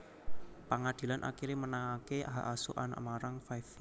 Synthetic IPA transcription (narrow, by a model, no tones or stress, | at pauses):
paŋad̪̥i̤lanʔa̰kiɾemənaŋakeaɦa̰ʔasuʔana̰ʔmaɾaŋfajf